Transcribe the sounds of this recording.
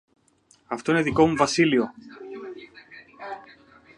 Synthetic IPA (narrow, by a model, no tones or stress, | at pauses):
ɐft̪o̞ineðiko̞muvɐsilio̞